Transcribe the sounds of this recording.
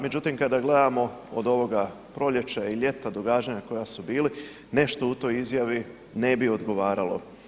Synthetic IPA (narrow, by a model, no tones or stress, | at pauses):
me̞d͡ʑut̪imkad̪aɡle̞d̪amo̞o̰d̪o̞ʋo̞ɡa | pɾo̞ʎe̞t͡ʃaaiʎe̞t̪ad̪oɡaːd͡ʒaɲako̞jasubiːli | ne̞ʃt̪o̞ut̪o̞ːjizjaʋi | ne̞bio̞d̪ɡo̞ʋaːɾalo̞̰